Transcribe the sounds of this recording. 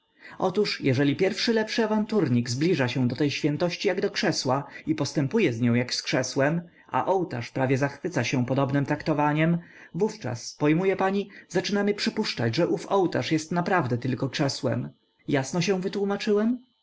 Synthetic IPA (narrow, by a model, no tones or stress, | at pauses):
ʔɔt̪uʂjɛʐɛlʲipʲjɛɾfʂɘlɛpʂɘavant̪uɾɲiɡzblʲiʐaɕɛ̃d̪ɔt̪ɛjɕfʲjɛnt̪ɔɕt͡ɕijaɡd̪ɔkʂɛswaipɔst̪ɛmpujɛzɲɔ̃w̃jakskʂɛswɛm | a̰ʔɔwt̪a̰ʂpɾavʲjɛzaxfɘt̪saɕɛ̃pɔd̪ɔbnɘmt̪ɾakt̪ɔvaɲɛm | vuft͡ʂa̰spɔjmujɛpaɲizat͡ʂɘnamɘpʂɘpuʂt͡ʂad͡ʑʐɛʔufɔwt̪a̰ʂjɛst̪napɾavd̪ɛt̪ɘlkɔkʂɛswɛ̰m | jasnɔɕɛw̃vɘt̪wumat͡ʂɘwɛm